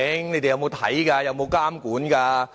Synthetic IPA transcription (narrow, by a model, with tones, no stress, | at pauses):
ɛ˨˥ŋne˨˧jt̪e˨jɐ˨˧wmo˨˧wt̪ʰɐ̰˨˥jkaː˧jɐ˨˧wmo˨˧wkaː˥mkuː˨˥nkaː˧